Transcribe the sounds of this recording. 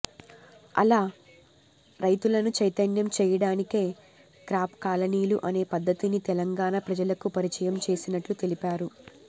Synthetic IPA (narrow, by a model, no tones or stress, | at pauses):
ɐ̰laː | ɾɐjt̪ulɐnut͡ʃɐjt̪ɐnjɐmt͡ʃɛːjɐɽaːnike̞ː | kɾaːpkaːlɐniːluʔɐne̞ːpɐd̪ːɐt̪init̪ɛlɐŋɡaːnapɾɐd͡ʒɐlɐkupɐɾit͡ʃɐjɐmt͡ʃe̞ːsinɐʈlut̪elipaːɾu